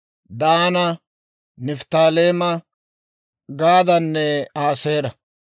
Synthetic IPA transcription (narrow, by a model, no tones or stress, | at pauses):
d̪aːnɐ | nɪft̪aːleːmɐ | ɡaːd̪ɐnːɛaːseːɾɐ